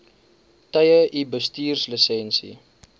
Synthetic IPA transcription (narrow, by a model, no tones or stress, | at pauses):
tɐjəʔibəstiːrslisɛnsḭ